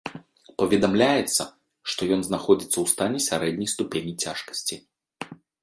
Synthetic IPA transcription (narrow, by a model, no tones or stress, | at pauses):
pɐvʲɛd̪amlʲajɛt̪sːɐ | ʂt̪ɔjɔnznaxɔd͡zʲit̪sːɐwst̪anʲɛsʲaɾɛd̪ʲnʲɐjst̪upʲenʲjit͡sʲaʂkɐ̥sʲt͡sʲi